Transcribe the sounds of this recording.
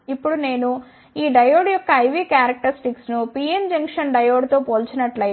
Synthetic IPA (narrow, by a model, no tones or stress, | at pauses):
ipːuɽune̞ːnu | iːɖɐjoːɽjɔkːɐːjʋiːkaːɾɐk̚ʈɐɾisʈiksnupiːend͡ʒɐŋkʂɐnɖɐjoːɖt̪o̞ːpoːlt͡ʃinɐʈlɐ